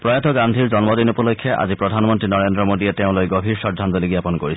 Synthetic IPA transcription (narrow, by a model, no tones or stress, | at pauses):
pɹɔjat̪ɔɡand̪ʱiɹzɔnmɔd̪inupɔlokʰːjɔʔa̰zipɾɔd̪ʱanmɔnt̪ɹinɔɹend̪ɾɔmod̪iet̪eʊ̃lojɡobʱiɹʃɔd͡ʒʱant̪oliɡijapɔnkoɹisʰ